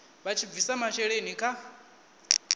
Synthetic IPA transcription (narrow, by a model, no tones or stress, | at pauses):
βat͡ʃʰib̪visamat͡ʃɛɺenikʰa